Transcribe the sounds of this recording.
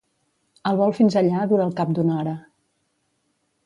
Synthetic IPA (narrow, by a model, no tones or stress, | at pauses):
əlˠβɔlˠfinzəʎaðuɾəːlˠkap̚d̪unɔɾə